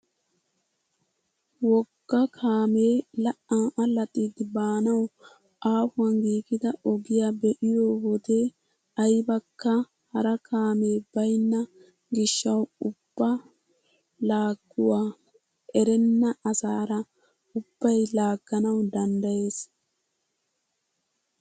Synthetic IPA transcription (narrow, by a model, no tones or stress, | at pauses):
wɔɡːɐkʰaːmeːlɐʔaːʔɐlɐt̪ʼiːd̪ɪbaːnɐw | ʔaːfʊwɐnɡiːɡɪd̪ɐɔɡɪjaːbɛʔɪjoːwɔd̪e | ɐjbɐkːɐ | hɐɾɐkʰaːme̞ːbɐjnːɐ | ɡɪʃːɐwʊb̥ːɐ | laːɡːʊwaː | ʔɛɾɛnːɐʔɐsaːɾɐ | ʊb̥ːɐjlaːɡːɐnɐwd̪ɐnd̪ɐje̞ːs